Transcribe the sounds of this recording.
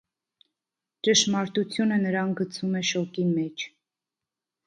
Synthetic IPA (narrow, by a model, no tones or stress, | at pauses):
t͡ʃəʃmɑɾt̪ut͡sʰjunənəɾɑnɡət͡sʰumɛʃɔkimɛt͡ʃʰ